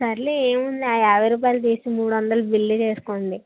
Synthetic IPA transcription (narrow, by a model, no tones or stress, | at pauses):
sɐɾleeːmund̪iaːjaːʋɐjɾuːp̬aːjlut̪iːsimuːɽuʋɐnd̪ɐlubilːit͡ʃe̞ːsu̥koːnd̪i